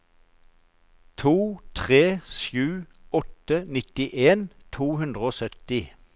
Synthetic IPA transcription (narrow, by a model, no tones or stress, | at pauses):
t̪ʰuːt̪ʰʁeːʃjʉː | ɔt̪ənɪt̪ɪʔeːnt̪ʰuːhʉnd̪ʁəoːsœt̪ɪ